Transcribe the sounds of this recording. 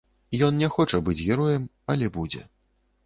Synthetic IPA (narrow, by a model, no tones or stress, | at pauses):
ijɔnnʲɛxɔt͡ʂɐbɨd͡zʲɣʲɛɾɔjɛm | ɐlʲɛbud͡zʲɛ̰